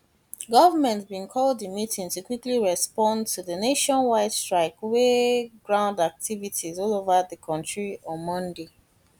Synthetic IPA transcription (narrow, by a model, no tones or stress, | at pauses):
ɡɔvəmɛ̃ntbĩnkʰɔldəmitʰĩŋtukwikliɹɛspɔ̃ntʰuðəneʃɔ̃nwaɪd̥stɹaɪkweɡɹãʊ̃ndak̚tʰivitʰizɔlovəðəkʰɔ̃ntɹiɔ̃mɔ̃nde